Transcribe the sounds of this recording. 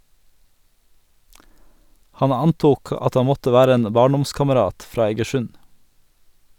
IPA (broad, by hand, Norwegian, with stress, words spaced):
ˈhɑn ˈɑnˌtuːk ˈɑt ˈɑ ˈmɔtə ˈʋæːɾə ˈeːn ˈbɑːɳˌdɔmskɑməˌɾɑːt ˈfɾɑː ɛɡəˈʃʉn